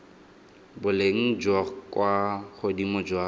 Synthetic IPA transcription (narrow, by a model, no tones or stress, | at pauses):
bʊleŋ̩d͡ʒwakwaχʊdimʊd͡ʒwa